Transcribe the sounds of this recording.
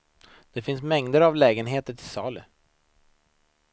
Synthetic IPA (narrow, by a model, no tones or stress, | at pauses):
d̪̥ɛfɪnsmɛŋd̪əɾavlɛːɡənɦeːt̪əʈʰɪsɑːlə